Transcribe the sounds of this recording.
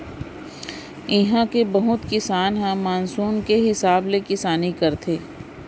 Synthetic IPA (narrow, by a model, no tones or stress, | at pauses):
ɪɦãkebɐɦʊt̪kɪsaːnɦãmaːnsuːnkeɦɪsaːblekɪsaːnikɐɾt̪ʰeː